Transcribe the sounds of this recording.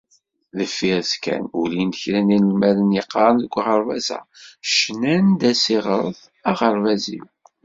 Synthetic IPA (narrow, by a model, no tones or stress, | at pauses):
ðəfːiɾskæ̰nulint̪əçɾæninəlmæðənjəqːɑɾˤənðəɡʷʁəɾˤvæsæ̰ʃnænd̪æsiʁəɾˤθ | ɑʁəɾˤvæzḭw